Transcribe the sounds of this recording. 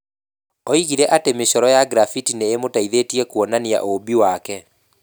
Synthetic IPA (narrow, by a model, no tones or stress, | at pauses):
ɔiɣiɾɛʔatemeɕɔɾɔjaɡɾafitineːmotaiðetiɛkuɔnania̰ʔobiwakɛ